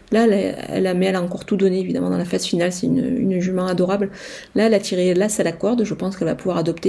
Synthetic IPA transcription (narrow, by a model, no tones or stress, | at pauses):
laɛlaɛ̰lamɛɛlaɑ̃kɔʁt̪ud̪ɔneːvid̪amɑ̃d̪ɑ̃lafazfinalsɛyn̰y̰nʒymɛ̃ad̪ɔʁabl | laɛlat̪ʰiʁelasalakɔʁd̪ʒəpɑ̃skɛlva̰puvwaʁad̪ɔpt̪e